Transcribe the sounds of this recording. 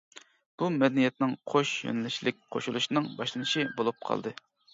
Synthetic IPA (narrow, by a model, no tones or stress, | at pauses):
b̥umɛd̪ɛnijɛt̪nɪŋqʰoʃjø̰nɪlɪʃlɪk̚ʲqʰoʃulˠuʃnɨŋbɑʃlˠɨnɨʃibolˠup̚qʰɑ̰lˠd̪ɨ